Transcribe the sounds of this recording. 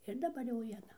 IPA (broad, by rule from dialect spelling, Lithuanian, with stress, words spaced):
ɪr dɐˈbɐr jɛʊ ʋʲiɛˈnɐ